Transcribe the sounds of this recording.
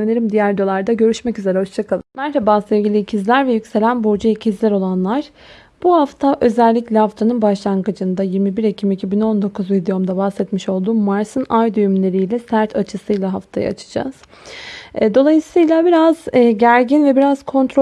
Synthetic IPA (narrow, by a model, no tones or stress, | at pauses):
mnʲeɾimd̪ijæɾd̪olˠaɾd̪aɟø̞ɾyʃmɛcyze̞ɾɛho̞ʃt͡ʃʰakʰalˠmæɾhabaːsevɟʲilʲiːcʰizlʲæɾvɛjycse̞lʲænboɾd͡ʒuicʰizlʲɛɾo̞lˠanlˠaɾ̥ | b̥uhaft̪ʰaʔø̞zælʲːiclʲɛhaft̪ʰanɯnbaʃlˠaŋɡɯd͡ʒɯnd̪ajiɾmibiɾecʰimicʰibino̞nd̪o̞kʰuzvid̪ijo̞md̪abahsɛt̪miʃo̞lˠd̪uːmaɾsɯnajd̪yjymlʲe̞ɾijlʲɛsæɾt̪ʰat͡ʃʰɯsɯjlˠaɦaft̪ʰa̰jɯ̰a̰t͡ʃʰɯ̥d͡ʒa̰z̥ | d̪o̞lˠajɯsɯjlˠabiɾaz̥ɟæɾɟinvɛbiɾaz̥kʰo̞nt̪ɾo